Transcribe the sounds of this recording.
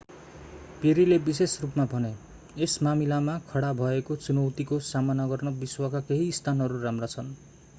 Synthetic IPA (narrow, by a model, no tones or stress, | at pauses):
peɾilebisesrupmabʱʌne | esmamilamakʰʌɽabʱʌekot͡sunʌwt̪ikosamanaɡʌrnʌbiswakakeɦiːst̪ʰanɦʌɾuɾamrat͡sʰʌn